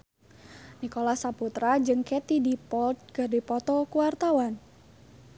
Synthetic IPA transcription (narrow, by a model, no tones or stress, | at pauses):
nikolasaput̪ɾad͡ʒɨŋkɛt̪idipɔlt̪̚ɡadipɔt̪ɔkuwart̪awan